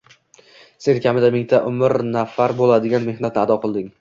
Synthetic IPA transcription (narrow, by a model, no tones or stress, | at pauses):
se̞nkʲʰamɪd̪amɪŋt̪ʰaʔʊmɪɾnafaɾbolad̪ɪɡʲanme̞hnat̪nɪad̪ɒqʰɨlˠd̪ɪŋ